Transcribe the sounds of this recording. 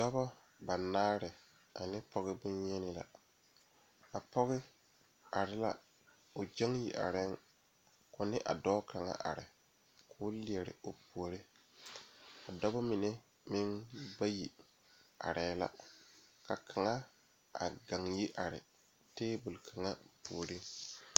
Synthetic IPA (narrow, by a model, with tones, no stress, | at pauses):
dɔ˦bɔ˦ | ba˨naː˦ɾɪ˨ | a˨nɪ˦pɔ˦ɣɪ˦bʊ˦nɲɛ˦nɪ˦la̰˨ | a˨pɔ˦ɣɪ˦ | a˨ɾɪ˦la̰˦ | ʊ˨d͡ʒa˦ŋji˨ʔa̰˨ɾɪ˦ŋ | kʊ˨nɪ˦ʔa̰˨dɔː˦kʰa˨ŋa̰˦ʔa̰˨ɾɪ̰˨ | kʰʊː˦li˨ɛ˨ɾɪ̰˨o˨pu˨o˨ɾɪ˦ | a˨da˦ba˦mɪ˨ne˦ | mɪ˦ŋba˦ji˨ | a̰˨ɾɛː˨˦la̰˦ka˨kʰa˨ŋa˦ | a̰˨ɡa˨ŋji˦ʔa˨ɾɪ̰˨ | teː˦bʊ˨lkʰa˨ŋa˦pu˨o˨ɾi˦ŋ